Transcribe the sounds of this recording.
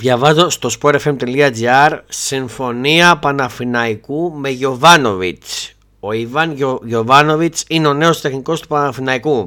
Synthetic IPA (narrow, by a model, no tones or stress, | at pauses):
ðʝɐvɐzo̞st̪o̞spoɾefe̞mt̪eliɐd͡ziɐɾsiɱfo̞niɐpɐnɐfinɐikume̞ʝo̞vɐno̞vit͡s | o̞ivɐnʝo̞vɐno̞vit͡sineo̞ne̞o̞st̪e̞xniko̞st̪upɐnɐfinɐiku